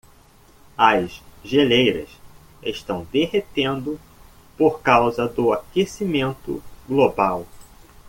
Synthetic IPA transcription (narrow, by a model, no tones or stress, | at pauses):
ɐzʒelejɾɐ̰s | eʃt̪ɐ̃w̃d̪eɦet̪ẽnd̪ʊ | poɾkawzɐd̪ʊakesimẽnt̪ʊ̰ɡlobaw